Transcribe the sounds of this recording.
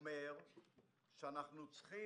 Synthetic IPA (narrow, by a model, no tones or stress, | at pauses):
meʁ | ʃeanaχnut͡sχi